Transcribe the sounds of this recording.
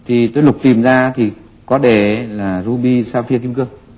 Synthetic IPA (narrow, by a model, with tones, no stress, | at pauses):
t̪ʰi˨˩t̪oː˧jlʊ˨˩k͡p̚t̪i˨˩mzaː˧t̪ʰi˨˩ | kɔ˨˦ɗe˧˩˦laː˨˩zu˧ɓi˧saː˧fi˧əki˧mkɨ˧ə